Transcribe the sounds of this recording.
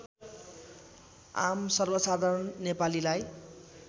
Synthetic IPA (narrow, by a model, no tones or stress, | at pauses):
a̰msʌrbʌsad̪ʱaɾʌnːepalilaj